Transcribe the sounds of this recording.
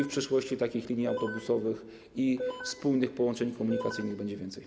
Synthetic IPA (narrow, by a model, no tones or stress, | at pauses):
fpʂɘʂwɔɕt͡ɕit̪akʲixlʲiɲiawt̪ɔbusɔvɘx | ifspuwnɘxpɔwɔnt͡ʂɛɲkɔmuɲikat̪sɘjnɘɣbɛɲd͡ʑɛvʲjɛnt̪sɛj